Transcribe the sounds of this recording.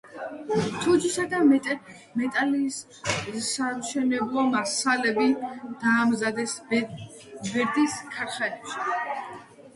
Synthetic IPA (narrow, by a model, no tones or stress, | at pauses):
t̪ʰud͡ʒisad̪amɛt̪ʼ | mɛt̪ʼaliːs | saʃɛnɛblˠɔmasalɛbid̪̥aːmzad̪ɛs | bɛɾd̪iskʰaɾχɛɾipʃi̥